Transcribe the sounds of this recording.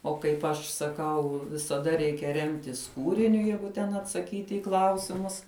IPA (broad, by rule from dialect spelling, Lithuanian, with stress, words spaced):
oː kɐɪp ˈɐʃ sɐˈkɐʊ ʋʲɪsɐˈdɐ ˈrʲɛɪkʲɛ ˈrʲɛmʲtʲɪs ˈkuːrʲɪnʲʊ ˈjɛɪɡʊ tʲɛn ɐtsɐˈkʲiːtʲɪ ɪ ˈklˠɐʊsʲɪmʊs